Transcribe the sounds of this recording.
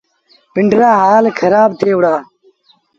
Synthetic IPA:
pɪɳɖɾaːɦaːlkʰɐɾaːb̚t̪ʰeːwɽaː

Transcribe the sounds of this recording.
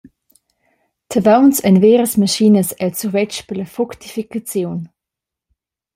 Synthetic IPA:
tʰəvawnsɛnveːɾəsmaʃinəsɛlt͡suʁvɛt͡ʃpələfuktifikat͡sjoːn

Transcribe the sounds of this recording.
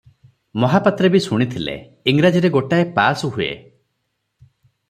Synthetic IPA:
mɔɦapat̪ɾɔbisuɽ̃it̪ʰilḛ | iŋɾad͡ʒiɾeɡoʈaepasɔɦuḛ

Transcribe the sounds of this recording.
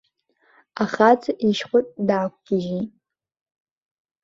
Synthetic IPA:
aχat͡sʰiʃχʷʊtʼdaːkʷʰʼɡ̥ʲɪʒi

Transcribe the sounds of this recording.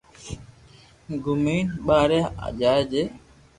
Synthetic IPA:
ɡuminɓaɾɛa̰d͡ʒad͡ʒe

